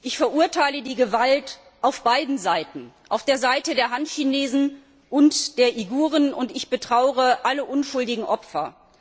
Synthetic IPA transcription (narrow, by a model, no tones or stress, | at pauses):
ʔɪçfɛɐʔuːɐtʰaɪlədiːɡəvalt | ʔaʊfb̥aɪdn̩zaɪtn̩ʔaʊfd̥eːɐzaɪtədeːɐɦantçineːzn̩ | ʔʊntd̥eːɐʔiɡuːʁ̞ənʊntɪçb̥ətʁ̥aʊəʁəʔaləʔʊnʃʊldɪɡŋ̩ʔɔpfɐ